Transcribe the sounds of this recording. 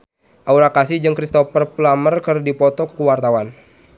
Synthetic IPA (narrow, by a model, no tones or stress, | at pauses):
ʔauɾakasid͡ʒɨŋkɾist̪ɔfərplamərkərdipɔt̪ɔkkuwart̪awan